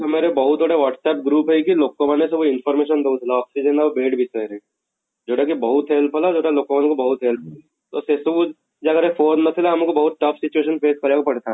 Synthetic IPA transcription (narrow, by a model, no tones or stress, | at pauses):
ɐmeːɾebɐɦʊt̪ːoːɽeʋaːʈsɛːp̚ɡɾuːpɦɛkiloːkːoʋanẽseʋoɪnfʰɔːɾmeːʃənd̪ɐut̪ʰlaɔːksid͡ʒənaʋobeːʈbʱit͡ʃaɾẽ | d͡ʒoːʈakibɐɦʊt̪ɦeːlpʰəlad͡ʒoːʈaloːkːoʋankobɐɦʊt̪ɦeːlpʰəl | t̪osesuːd͡ʒ | d͡ʒakəɾefoːnːɐsʰɪlaɦɐmkobɐɦʊt̪̚ʈɐfʰsɪt͡ʃueːʃənpeːskɐɾakopɐɽt̪a